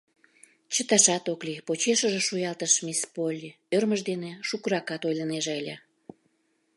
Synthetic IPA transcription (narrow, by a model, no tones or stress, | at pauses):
t͡ɕət̪ɑʃɑt̪oklipot͡ɕeʃəʒeʃujɑlt̪əʃmʲispolʲ | ørməʃd̪eneʃukəɾɑkɑt̪ojləneʒeəlʲe